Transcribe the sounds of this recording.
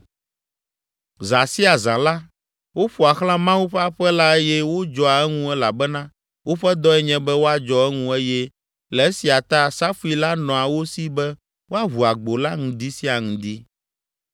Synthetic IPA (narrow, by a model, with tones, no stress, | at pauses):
za˨si˦a˨zã˨la˦ | wo˦ɸu˨a˨xlã˦mã˦wu˦ɸɛ˦a˦ɸɛ˦la˦e˦jɛ˦wo˦d͡ʒɔ˦a˨ɛ˦ŋũ˦ɛ˦la˨bɛ˦nã˦ | wo˦ɸɛ˦d̪ɔ˦ɛ˦ɲɛ̃˦bɛ˦wo˦a˨d͡ʒɔ˦ɛ˦ŋũ˦e˦jɛ˦ | lɛ˨e˦si˨a˨t̪a˦˨sa˦fu˦i˦la˦nɔ̃˨a˨wo˦si˦bɛ˦ | wo˦a˦ɦu˨a˨ɡ͡bo˨la˦ŋũ˨d̪i˦si˦a˨ŋũ˨d̪i˦